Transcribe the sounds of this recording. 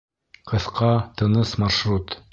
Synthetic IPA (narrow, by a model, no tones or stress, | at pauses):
qɤ̆θqʰɑt̪ɤ̆nɤsmɑʃrut̪